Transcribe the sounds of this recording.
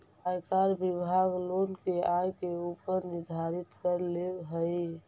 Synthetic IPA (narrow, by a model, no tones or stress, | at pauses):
ajkaɾbibʱaɡlonkeajkeupəɾnɪɾd̪ʱaɾit̪kəɾleɦəj